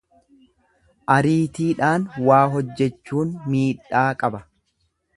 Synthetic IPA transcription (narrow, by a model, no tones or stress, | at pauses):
ʔɐɾiːt̪iːᶑaːnwaːɦɔd͡ʒːɛt͡ʃːuːnmiːᶑaːkʼɐbɐ